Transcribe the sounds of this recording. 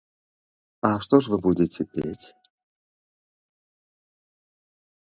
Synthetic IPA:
ɐʂt̪ɔʂvɨbud͡zʲɪt͡sʲɛpʲḛt͡sʲ

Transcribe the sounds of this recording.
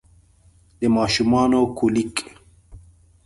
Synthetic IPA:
d̪emaːʃumaːnokʰulik

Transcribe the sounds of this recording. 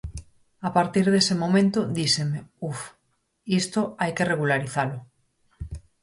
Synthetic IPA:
apaɾt̪iɾðesemõ̞mẽnt̪oðisemeuf | ist̪oajkereɣ̞ulaɾiθalo

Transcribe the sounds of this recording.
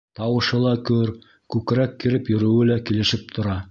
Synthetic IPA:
t̪ɑwɤ̆ʃɤlˠɑkɵɾ | kʉkɾækːiɾɘpjɵ̆ɾɘ̆wɘlækilɘ̆ʃɘp̚t̪ʰŏɾɑ

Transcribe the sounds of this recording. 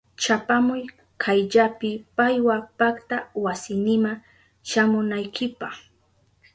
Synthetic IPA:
t͡ʃapamʊj | kʰajʎapɪpajwapakt̪awasɪnɪma | ʃamʊnajkʰɪpɑχ

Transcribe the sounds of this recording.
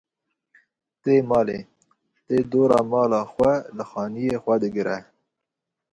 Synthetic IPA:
t̪emɑːle | t̪ed̪oːɾɑ̰mɑːlɑxwalaxɑːnijexwad̪ɪɡɪɾa

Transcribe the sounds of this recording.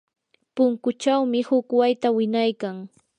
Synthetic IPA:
pʊŋkʊt͡ʃawmɪhʊkwajt̪awɪnajkaŋ

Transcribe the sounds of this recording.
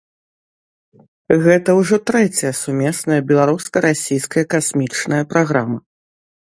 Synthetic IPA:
ɣɛt̪ɐwʐɔt̪ɾɛt͡sʲɐjɐsumʲɛsnɐjɐbʲɛlˠaɾuskɐɾasʲijskɐjɐkasʲmʲit͡ʂnɐjɐpɾaɣɾamɐ

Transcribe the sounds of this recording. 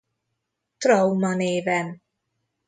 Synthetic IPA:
t̪ɾɔwmaneːvɛn

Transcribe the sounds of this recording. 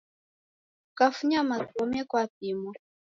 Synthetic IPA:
kafuɲamatɔmɛkwatimɔ

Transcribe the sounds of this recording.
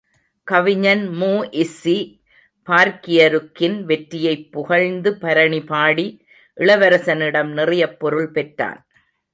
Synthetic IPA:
kɐʋɪɲɐnmuːʔɪsi | paːɾkɪjɐɾɯkːɪnʋɛʈɾɪjɐɪpːʊɣɐɻnd̪ɯpɐɾɐɳipaːɽi | ʔɪɭɐʋɐɾɐsɐnɪɽɐmnɪrɪjɐpːɔɾɯɭpɛʈra̰ːn

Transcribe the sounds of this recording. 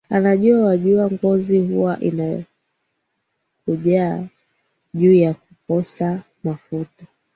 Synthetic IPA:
anaʄuawaʄuaŋɡɔzihuwaʔinaj̰ | kuʄaː | ʄuːjak̚ukɔsa | mafuta

